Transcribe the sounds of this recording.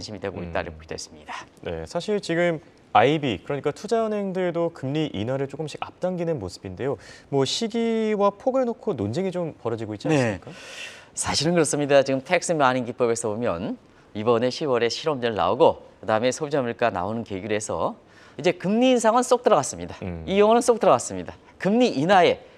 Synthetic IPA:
anɕʰimidwe̞ɡoḭt͈a̰ɾiokidḛs͈ɯ̥mɲidane̞̰sʰaɕʰiɭt͡ɕiɡɯm | aibikɯɾʌɲik͈atʰud͡ʑaʌnɦe̞ŋdɯɾedokɯmɲiʔḭnwaɾɯɭt͡ɕ͈ok͈ɯmɕʰiɡa̰p̚t͈aŋɡinɯnmosʰɯ̥binde̞jomwʌɕʰiɡiwapʰoɡɯɭnokʰonond͡ʑeŋit͡ɕompʌɾʌd͡ʑiɡoitt͡ɕ͈iannesmik͈asʰaɕʰiɾɯnkɯɾʌs͈ɯmɲidat͡ɕiɡɯmtʰek̚s͈ɯmaɲinɡip͈ʌbe̞sʰʌbomjʌ̰n | ibʌne̞ɕʰiwʌɾe̞ɕʰiɾʌmd͡ʑiɾɯɭna̰oɡokɯdaɯme̞sʰod͡ʑʌmiɭk͈ana̰onɯnkeɡjuɾe̞sʰʌ̰ | id͡ʑe̞kɯmɲiːnsʰaŋɯns͈ok̚t͈ɯɾʌɡas͈ɯmɲidaijʌŋʌnɯns͈okt͈ɯɾʌɡas͈ɯmɲida | kɯmɲiʔinae̞

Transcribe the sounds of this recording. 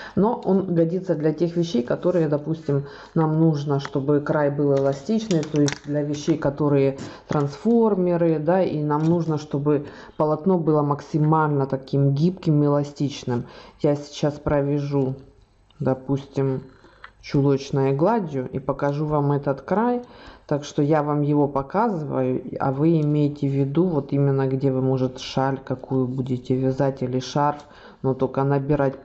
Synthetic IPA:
noʔonɡɐdʲit̪səd̪lʲɐtʲe̞xvʲɪɕːejkɐt̪o̞ɾɨjəd̪ɐpusʲtʲɪm | namnuʐnəʂt̪o̞bɨkɾajbɨlˠɛlˠɐsʲtʲit͡ɕnɨjt̪o̞jɪsʲtʲd̪lʲɐvʲɪɕːejkɐt̪o̞ɾɨjət̪ɾɐnsfo̞rmʲɪɾɨd̪ainamnuʐnəʂt̪o̞bɨ | pəlˠɐt̪no̞bɨlˠəməksʲɪmalʲnət̪ɐkʲimɡʲipkʲɪmɨɪlˠɐsʲtʲit͡ɕnɨmjasʲɪ̥t͡ɕaspɾəvʲɪʐu | d̪ɐpusʲtʲɪm | t͡ɕʊlˠot͡ɕnəjʊɡlˠadʲjʊʔipəkɐʐuvamɛt̪ət̪kɾajt̪akʂt̪o̞javamjɪvo̞pɐkazɨvəjʊɐ̰vɨɪmʲejɪtʲɪvʲɪd̪uvo̞t̪imʲɪnːəɡdʲe̞vɨmo̞ʐɨt̪ʂalʲkɐkujʊbudʲɪtʲɪvʲɪzatʲilʲɪʂarf | not̪o̞kənəbʲɪɾatʲ

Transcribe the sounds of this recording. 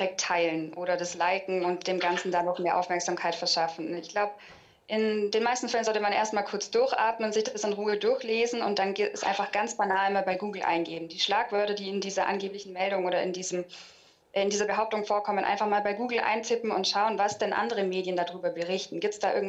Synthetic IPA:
ʁɛk̚tʰːaɪlənʔoːɾɐdaslaɪkŋ̩ʊntd̥eːmɡant͡sn̩danɔxmeːɐʔaʊfmɛɐkz̥amkʰaɪtfɛɐʃafn̩ɪçɡ̥laʊbə | ʔɪnd̥eːnmaɪstn̩fɛlənzɔltəmanʔeːɐstmaːlkʰʊɐt͡sd̥ʊɐçʔa̰ɐtmənzɪçd̥asb̥ɪsanʁuːədʊɐçleːzn̩ʊnt̚d̥anɡɛsʔa̰ɪnfaχɡ̥ant͡sb̥anaːlmaːlbaɪɡuːɡl̩ʔa̰ɪnɡeːbm̩diːʃlaːkv̥œɐtɐdiːɪndiːzɐʔa̰nɡeːplɪçn̩mɛldʊŋʔoːɾɐʔɪ̰ndiːzəm | ɪndiːzɐbəɦaʊp̚tʊŋfoːɐkʰɔmənʔa̰ɪnfaχmaːlbaɪɡuːɡl̩ʔa̰ɪnt͡sɪpm̩ʊ̰ntʃaʊənvasd̥ɛnʔa̰ndəʁəmeːdjəndaːdʁyːbɐbəʁɪçtn̩ɡiːp̚tsd̥aːʔɪɐɡŋ̩

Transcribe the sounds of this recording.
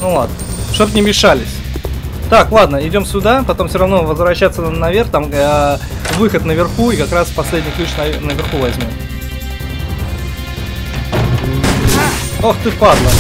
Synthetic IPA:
nulˠa̰d̪nə | ʂt̪opnʲɪmʲɪʂalʲɪsʲ | t̪aklˠad̪nəɪdʲo̞msʲʊd̪apɐt̪o̞mfsʲoɾɐvno̞vəzvɾɐɕːat̪sənɐvʲe̞rxt̪am | vɨxət̪nəvʲɪrxuikɐkɾaspɐsʲlʲedʲnʲɪklʲiʂnɐnəvʲɪrxuvɐzʲmʲom | oxt̪ɨpad̪lˠə

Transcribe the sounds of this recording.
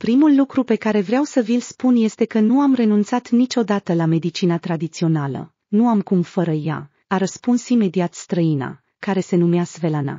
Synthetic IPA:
pɾimulːukɾupe̞kaɾe̞vɾeawsəvilspunje̞st̪e̞kənuamre̞nunt̪sat̪nit͡ʃʲo̞d̪at̪əlame̞d̪it͡ʃinat̪ɾad̪it̪sio̞nalə̰ | nuamkumfəɾəja̰ | aɾəspunsime̞d̪iat̪st̪ɾəina̰ | kaɾe̞se̞numeasve̞lana̰

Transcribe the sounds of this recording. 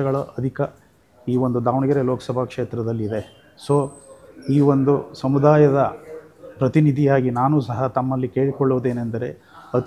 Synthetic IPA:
ɐɡɐɭɐʔɐd̪ʱikɐ | iːʋond̪ud̪aːʋɳiɡɐɾeloːkɐ̥sɐbʱakʂeːt̪ɾɐd̪ɐlːid̪e̞ | soːiːʋo̞nd̪usɐmud̪aːjɐd̪ɐpɾɐt̪inid̪ʱijaːɡinaːnuːsɐɦɐt̪ɐmːɐlːikeːɭikɔɭːoʋd̪e̞ːnend̪ɐɾe̞ | ɐt̪

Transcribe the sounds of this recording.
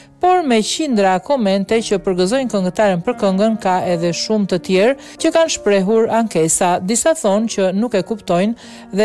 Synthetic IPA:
pɔɾmɛcind̪ɾakɔmɛnt̪ɛcəpəɾɡəzɔjnkəŋɡət̪aɾənpəɾkəŋɡənkaɛðɛʃumt̪ət̪jɛɾ | cəkanʃpɾɛɦuɾaŋkɛsad̪isaθɔncənukɛkupt̪ɔjn | ðɛ

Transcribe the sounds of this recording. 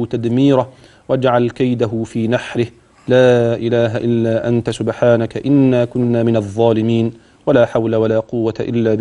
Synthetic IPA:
t̪ad̪miːɾah | wad͡ʒʕalkajd̪aɦʊfiːnaħɾɪh | laːʔɪlaːɦaʔɪlːaːʔant̪asʊbħaːnakaʔɪnːaːkʊnːaːmɪnɑðˤːɑːlɪmiːn | walaːħawlawalaːqʊwːat̪aʔɪ̰lːaːb

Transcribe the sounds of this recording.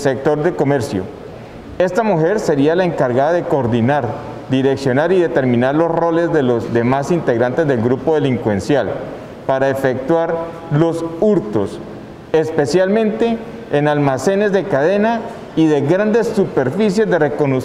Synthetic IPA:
sek̚t̪oɾd̪eko̞me̞ɾsjo̰ | e̞st̪amuxe̞ɾse̞ɾialaeŋkaɾɣaðaðe̞koːɾd̪ðinaɾ | d̪iɾe̞ksjonaɾiðe̞t̪e̞ɾmĩnaɾlo̞sro̞le̞zd̪e̞lozd̪e̞masint̪e̞ɣɾant̪e̞zd̪e̞lɡɾupo̞ðe̞liŋkwe̞nsjal | paɾaefe̞k̚t̪waɾ | lo̞suɾt̪o̞s | espe̞sjalmẽnt̪e̞ː | nalmase̞ne̞zd̪e̞kaðe̞na | iðe̞ɣɾand̪e̞sːupe̞ɾfisje̞zd̪e̞re̞ko̞no

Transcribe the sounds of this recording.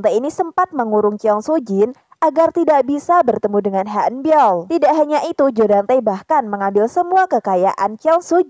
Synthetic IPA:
nt̪ajinisəmpat̪̚məŋuɾʊŋt͡ʃiɔŋsud͡ʒɪn | ʔaɡart̪idaʔbisabərt̪əmudəŋanɦaʔənbiɔlt̪idaʔɦaɲaʔit̪ud͡ʒodant̪ajbahkanməŋambɪlsəmuakəkaja̰ʔa̰nt͡ʃiɔŋsod͡ʒ

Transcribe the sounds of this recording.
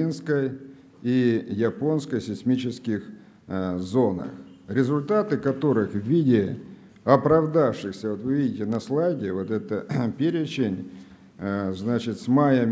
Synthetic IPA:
inskəj | ijɐpo̞nskəjsʲɪsʲmʲit͡ɕɪskʲɪx | zo̞nə̰xɾʲɪzʊlʲt̪at̪ɨkɐt̪o̞ɾɨxvʲidʲɪ | ɐpɾɐvd̪afʂɨxsʲəvot̪vɨvʲidʲɪtʲɪnɐslˠajɡʲɪvo̞t̪ɛt̪əpʲeɾʲɪt͡ɕɪnʲ | znat͡ɕɪt̪smajəmʲ

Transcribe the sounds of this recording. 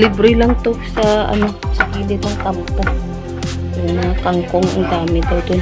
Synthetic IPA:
lɪbɾɪlɐŋt̪osɐʔɐ̰no̞sɐkiːlɪnɐŋk̪ampo | jʊŋmɐŋakaŋkoŋʔɐ̰ŋd̪aːmɪd̪ɐwd̪ʊn

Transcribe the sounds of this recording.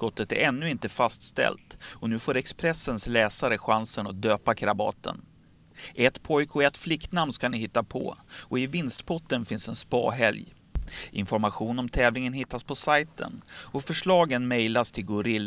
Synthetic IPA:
kɔt̪ːət̪æ̰ɾɛnːɵɪnt̪əfast̪st̪ɛ̰lt̪ɔnʉ̟ːfoːɾɛkspɾɛsənslɛːsaɾəɧansənat̪̚d̪øːpakʰɾabɑ̰ːt̪ʰə̰n | ʔɛt̪pʰɔjkʰɔɛt̪ːflɪkt̪namnskanɪɦɪt̪ːapʰɔ̰ɔɪvɪnst̪pʰɔt̪ːənfɪnsɛnspɑ̰ːɦɛlj | ʔɪ̰nfɔɾmaɧuːnɔmt̪ʰɛːvlɪŋənɦɪt̪ːaspʰɔsajt̪ə̰nɔfœʂɭɑːɡənmɛjlast̪ʰɪlɡʊɾɪlː

